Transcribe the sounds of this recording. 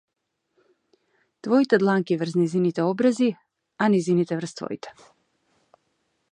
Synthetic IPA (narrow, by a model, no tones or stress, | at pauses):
t̪vɔit̪ɛd̪lˠaŋkivr̩znɛjzinit̪ɛɔbɾazi | anɛjzinit̪ɛvr̩st̪vɔ̰ḭt̪ɛ̥